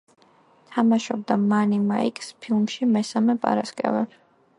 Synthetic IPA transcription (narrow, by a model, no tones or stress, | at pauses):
t̪ʰamaʃɔb̚d̪amanimaikʼspʰilˠmʃimɛsamɛpʼa̰ɾaskʼɛ̰vɛb